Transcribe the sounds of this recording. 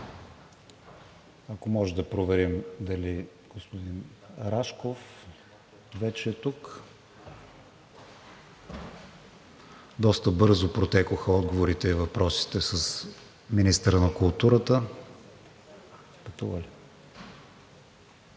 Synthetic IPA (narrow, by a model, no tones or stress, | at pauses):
ɐkomɔʒɛd̪ɐpɾovɛɾimd̪ɐli | ɡ̥ospod̪in | ɾaʃkof | vɛt͡ʃɛːt̪uk | d̪ɔst̪əbɤɾzopɾot̪ɛkoxəɔd̪ɡovoɾit̪ɛivɐpɾɔsi̥t̪ɛsəs | minist̪əɾənɐkʊlˠt̪uɾət̪ə | pət̪uvəli